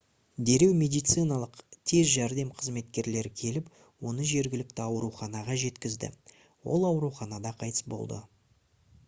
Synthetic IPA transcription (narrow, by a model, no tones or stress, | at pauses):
d̪e̞ɾe̞wmʲe̞d̪ijt̪sɨjnɑlˠəqt̪ʰe̞zʒæɾd̪e̞mqʰəzme̞t̪kʲe̞ɾle̞ɾɪkʲʰe̞lɪp | wo̞nəʒe̞ɾɡʲɪlɪk̚t̪ɪɑwɾuχɑnɑʁɑʒe̞t̪kʲɪzd̪ɪ̰ | wo̞̰lˠɑwɾuχɑnɑd̪ɑqʰɑjt̪ə̥sbo̞̰lˠd̪ə̰